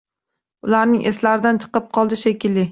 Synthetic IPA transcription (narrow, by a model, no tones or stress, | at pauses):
ʊlaɾnɪŋʔḛslaɾɪd̪ant͡ʃʰɨ̥qɨp̚qʰɒlˠd̪ɪʃekʲʰɪlːɪ